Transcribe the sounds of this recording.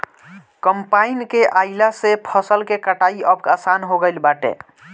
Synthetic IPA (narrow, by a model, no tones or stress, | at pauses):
kəmpainkeʔajlasepʰəsəlkekəʈaiəbkasanɦoɡəjlbaʈḛ